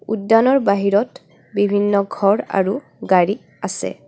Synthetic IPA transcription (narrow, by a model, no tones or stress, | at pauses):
ṵdːanɔɹbaɦiɹɔt | bibʱinːɔɡʱɔɹa̰ɹu | ɡaɹi | asɛ̰